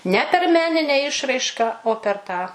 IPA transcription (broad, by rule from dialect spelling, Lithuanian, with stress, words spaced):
nʲɛ pʲɛr ˈmʲæːnʲɪnʲæː ˈɪʃrɐɪʃkɐ oː pʲɛr ˈtɑː